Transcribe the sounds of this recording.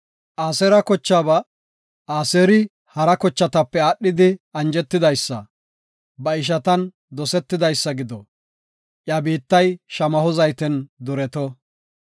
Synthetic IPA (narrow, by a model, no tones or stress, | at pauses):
ʔaːsɛɾɐkɔt͡ʃːaːbɐ | aːseːɾɪ | hɐɾɐkɔt͡ʃːɐt̪ɐpːɛaːɗːɪd̪ɪɐnd͡ʒɛt̪ːɪd̪ɐjsːɐ̰ | bɐɪʃ̬ɐt̪ɐn | d̪ɔsɛt̪ːɪd̪ɐjsːɐɡɪd̪ɔ | ʔjɐbiːt̪ːɐjʃɐmɐhɔzɐjt̪ɛnd̪ɔɾɛt̪ɔ